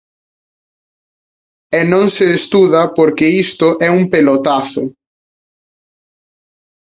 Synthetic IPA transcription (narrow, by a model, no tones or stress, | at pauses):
ɛnõŋseːst̪uðɐpoɾkɪist̪ʊʔɛumpelot̪aθʊ